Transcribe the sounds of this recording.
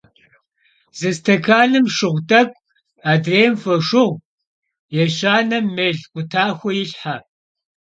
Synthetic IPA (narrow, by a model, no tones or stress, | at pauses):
z̥ɨstʰɐkʰaːnɨmʃɨʁʷtʼɐkʷʼ | aːdreːmfɐʂʊʁʷ | jɛɕaːnɐmːɨɮkʷʼʊtʰaːxʷɔjɪɬħa